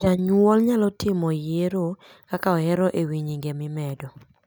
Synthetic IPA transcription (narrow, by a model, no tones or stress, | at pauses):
d͡ʒaɲwɔlɲalɔtɪmɔjeɾo | kakaɔhɛɾɔʔewiɲiŋɡemɪmɛdɔ